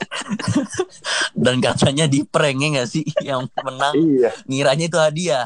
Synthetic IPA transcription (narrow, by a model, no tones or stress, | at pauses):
dankat̪aɲadipɾɛŋɛŋɡasɪjaŋmənaŋiaŋiɾaɲait̪̬uhadia